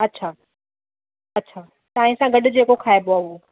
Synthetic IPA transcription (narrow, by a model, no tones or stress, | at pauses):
ɐtːɕʰaː | ɐtːɕʰaː | t̪aːɦɪ̃sãɡɐɗʊd͡ʑeːkokʰaːeboao